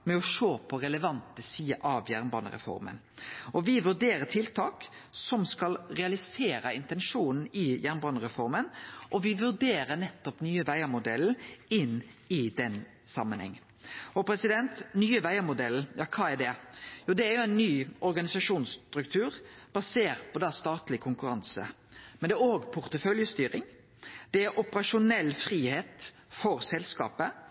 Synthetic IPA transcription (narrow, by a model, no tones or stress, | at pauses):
mɛɔʂoːpʰɔɾɛləʋɑnt̪əsiːəʔɑʋjæɾnbɑːnə̰ɾɛ̰fɔ̰ɾmə̰n | ɔʋɪʋʉd̪eːɾət̪ʰɪlt̪ʰɑːk | sɔmskɑlɾɛɑlɪseːɾɑɪnt̪ɛnʂuːnn̩ɪjæɾnbɑːnəɾɛfɔɾmənʔɔʋɪʋʉʁd̪eːɾənɛt̪ːɔpnyːəʋæɪəmʊd̪ɛl̩ɪnːɪd̪ɛn | sɑmːənhɛ̰ŋː | ɔpʰɾɛsɪd̪ɛnt̪nyːəʋæɪəmʊd̪ɛljɑːkʰɑːɛɾd̪ɛjuːd̪ɛæɾjʊæɪnːyːʔɔɾɡɑnɪsɑʂuːnst̪ɾʉkt̪ʰʉːɾb̥ɑseːɾt̪̚pʰɔd̪ɛst̪ɑːt̪lɪkʰʊŋkʉɾɑnsə̰ | mɛnd̪ɛːɾoːɡpʰʊɾt̪əfœljəst̪yːɾɪŋ | d̪̥ɛæɾʔʊpəɾɑʂʊnɛlːfɾiːheːt̪fɔɾsɛlskɑ̰ːpə